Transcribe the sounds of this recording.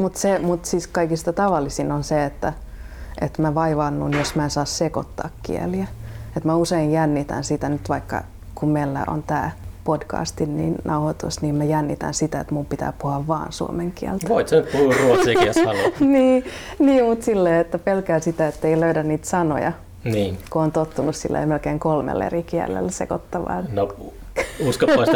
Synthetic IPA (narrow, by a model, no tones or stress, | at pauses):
mut̪semut̪siskɑikist̪ɑt̪ɑʋɑlːisinonseet̪ːæ | ʔet̪mæʋɑiʋɑnːunjosmæensɑːsseko̰t̪ːɑ̰ːkkḭḛliæet̪mæuseinjænːit̪æ̰nsit̪ænyt̪ʋɑikːɑ̰ | kummelːæ̰ʔo̰nt̪æ̰ːpodkɑ̰ːst̪innḭːnnɑuhot̪ṵsniːmmæjænːit̪æ̰nsit̪æḛt̪mumpit̪æ̰ːpuhɑʋʋɑ̰ːnsṵo̰meŋkiæ̰lt̪æoit̪senyt̪puhuruot̪sikiæsɑnniːniːmut̪silːeːet̪ːæpelkæːsit̪æet̪ːeiløydænniːt̪sɑno̰jɑ | niːkooːnt̪ot̪ːunussḭlːḛːmelkeːŋkolmḛlːḛrikiɛlːḛlːsḛkot̪ːɑʋɑ̰no | uskɑːɑːˑst̪